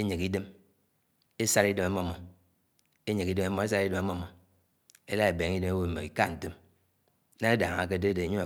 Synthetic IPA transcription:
e˦ɲe˨ki˦de˦m | e˦sa˦ɾi˦de˦ma˦mɔ˦˨mɔ˨ | e˦ɲe˨ki˦de˦ma˦mɔ˦e˦sa˦ɾi˦de˦ma˦mo˦mɔ˨ | e˦la˦e˨be˨ŋi˦de˦me˦wo˦˨m̩˨me˨i˨ka˦˨n̩˨te˦m˦ | na˦e˦da˨ŋa˨k̬e˦de˦de˨ɲo˦a˨

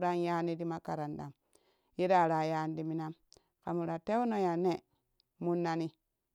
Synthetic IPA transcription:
ɾa˦nja˦ni˦di˦ma˦ka˨ɾa˨nda˨m | je˦da˦˨ɾa˨ja˦n˦di˦mi˦na˦m | ka˨mu˨ɾa˨te˦wu˦no˦ja˨ne˦˨ | mu˦nːa˦ni˦

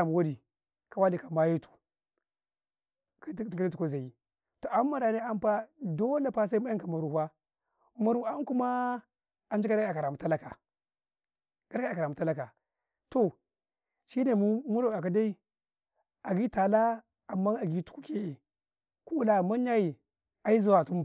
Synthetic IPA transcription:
m˨wa˦ɾi˨ | ka˨wa˦li˨ka˨ma˦je˦tu̥˨ | kka˦ɾi˦tu˨ko˦za˨ji˨ | to˨ʔa˦mːa˨ɾa˨ne˦a˦m˦pa˦do˦le˦˨pa˦s̬a˦i˦ma˦a˦ŋ˦ka˨ma˨ɾu˨hʷwa˦ | ma˨ɾu˨a˦n˦ku˦ma˦ | a˨nd͡ʒka˦ɾa˨ka˨ɾa˨mu˨ta˦la˦ka̰˨ | ɡ̥a˦ɾka˨ɾa˨mu˨ta˦la˦ka˨ | to˨ | ʃi˦ne˨m˦mu˦ɾo˨a˨ka˨˦da˦i˦ | a˨ɡi˦ta˨la˦ | a˨mːa˦a˨ɡi˦tu̥˨ku˦ke˦e˨ | ku˦u˦la˨ma˦n˦a˦ji˨ | a˨i˦za˨wa˨tu˦m˦

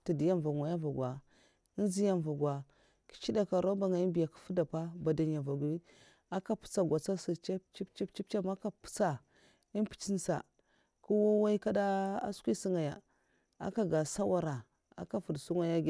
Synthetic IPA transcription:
ta˨di˨ja˦m˨va˨ŋʷa˨ja˦va˨ɡwa˨ | i˦n˦zi˦ja˦n˨va˨ɡwa˨ | ki̥˦t͡ʃi˦da˨ka˨ɾo˦ba˨ŋa˨i˦mbi˨ja˨kḁ˨fu˦da˨pa˦ba˨da˨nja˨va˨ɡʷi˦ | a˦ka˦pu̥˦t͡sa˨ɡʷa˨t͡sa˦si˨t͡ʃa˦pt͡ʃi˦pt͡ʃi˦pt͡ʃi˦p̚t͡ʃa˦ma˦ka˨pu̥˦t͡sa˨ | i˦n˦pi̥˨t͡ʃi˦nsa̰˨ | ku˦wo˦wa˦i˦ka˦da˦a̰˦skʷi˦si˦ŋa˨ja̰˨ | a̰˦ka˨ɡa˨sa˦wa˦ɾa˨ | a̰˨ka˦fu˨dsu˦ŋa˦ja˦ɡ

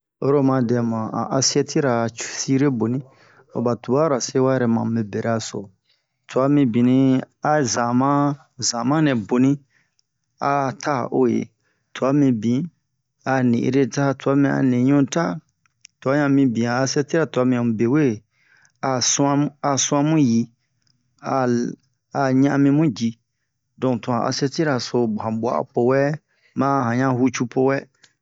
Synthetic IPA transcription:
o˦ɾo˦mã˧dɛ̃˨mã˨a̰˨ʔa˧si˦ɛ˦˧tʰi˦ɾa˨t͡ʃu̥˨si˦ɾe˦bo˨nĩ˦ | o̰˨ba˨tu˨ba˦ɾa˨se˦wa˦jɛ˦ɾɛ˨mã̰˨me˨be˨ɾa˧so̰˨ | tu˨a˧mĩ˧bĩ˨nĩ˧˦ | a˨zã˨mã˦ | zã˨mã˦nɛ̃˨bo˨nĩ˦ | a˨tʰa˦o˦jḛ˨ | tu˨a˧mĩ˧bĩ˨ | a˨nḭ̃˨ʔɾe˧ta˦tu˨a˨˦mĩ˧a̰˨nẽ˨ɲũ˦ta˦ | tu˨a˨˦ɲã˧mĩ˧bĩ˨ãː˨˧sɛ˦ti˦ɾa˨tu˨a˧mĩ˨ã˨mũ˨be˨we˦˨ | a˨sã˦a˨sũ˦ã˧mũ˦ji˧ | a˨ | a˨ɲã˦˧mĩ˧mũ˦d͡ʒi˧ | dɔ̃˨tũ˨ã˨a̰˧sɛ˧ti˦ɾa˨so˧bhã˨bwa̰˨a̰˨po˧wɛ˦ | mã˦hã˨ɲã˦hu˧t͡ʃu˧pʰo˧wɛ˦

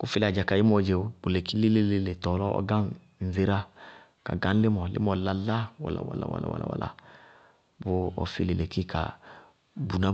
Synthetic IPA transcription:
ku˦fi˦la˨d͡ʒa˨ka˨ji˦mɔ˨d͡ʒe˨˦bʊ˨le˨ki˦li˦le˦le˦le˨tɔ˨lɔ˦ɔ̰˦ɡa˦n | n̩˨ze˨ɾa˦ | ka̰˨ɡã˨˦n˦lɪ˦mɔ˨lɪ̰˦mɔ˨la˨la˦wa̰˨la̰˨wa̰˨la̰˨wa̰˨la̰˨wa̰˨la̰˨wa̰˨la̰˨ | bʊ˦ɔ̰˨fi˦le˨le˨ki˦ka̰˨ | bu˨na˦

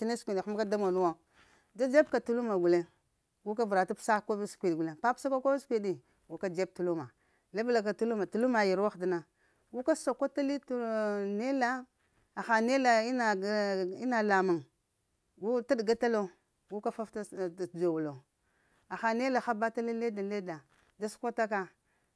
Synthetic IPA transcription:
ti˦ne˦skʷi˨di˨xu˦m˦ka˦da˦mo˨nu˦wa˦˨ | da˦d͡ʒe˦bka˨tu˨lu˦ma˨ɡu˨le˦ | ɡu˦ka˦vu˨ɾa˨ta˦psa˦˨ko˦skʷi˨dɡu˨le˨pa˦psa˦ka˦ko˦skʷi˦di˨ | ɡu˨ka˦d͡ʒe˦b̚tu˨lu˦ma˨ | la˦bla˨k̬a˨tu˦lu˦ma˨tu˨lu˦ma˨ji˨ɾwa˦xdi˦na˨ | ɡu˦ka˦so˨ka˦ta˦li˦tne˦la˦ | a˨xa˨ne˦la˨i˦na˨i˦na˨la˨ma˨ŋ | ɡu˦ta˦dɡa˦ta˦lo˦ | ɡu˦ka˦fa˦fta˦˨d͡ʒo˨wu˨lo˨ | a˨xa˨ne˦la˨xa˦ba˦ta˦li˦le˦da˨le˦da˨ | da˦su̥˦kʷa˦ta˦ka˦

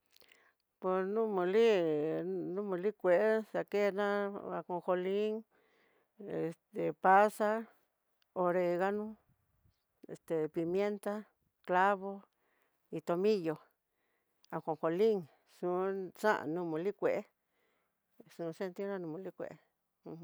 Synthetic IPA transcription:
po˧snũ˦mũ˧li˦ | nũ˦mũ˧li˦kʷe˨ʔe˦sa˨ke˦nã˦a̰˧kõ˧xo˧li˦ŋ | e˧˨st̪e˨˧pa˦sa˦ | o˧ɾe˧ɣa˦nũ˦ | e˨st̪e˨pi˧mje˦nt̪a˦ | kla˦βo˧ | i˧t̪o˧mĩ˦jo˧ | a˧xõ˨˧xo˧li˦ŋ | ʂũ˧˦sã̰˦ʔa̰˧nũ˧mũ˧li˦kʷe˨ʔe˦ | sũ˧se˦˧nt̪i˦nã˧nũ˧mũ˧li˦kʷḛ˨ʔẽ˦˧

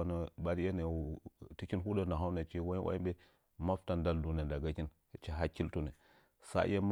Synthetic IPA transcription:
nə˨ba˦ɾi˦je˦ne˨ti˦t͡ʃi˦nɦu˦da˦na˨ɦa˦wne˨t͡ʃi˦wa˦ḭ˦wʔa̰˦i˦be˦ | ma˦fta˦nda˦ldu˨ne˨nda˨ɡa˦ki˦n˨ | t͡ʃi˨ɦa˦ki˦ltu˨ne˨ | sa̰˦je˦m

